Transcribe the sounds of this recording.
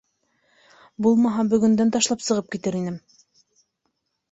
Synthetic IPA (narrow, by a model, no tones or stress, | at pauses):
bulˠmɑɦɑbɵ̆ɡɵ̆nd̪ænt̪ɑʃlˠɑpsɤ̆ʁɤp̚kit̪ɘɾinɘm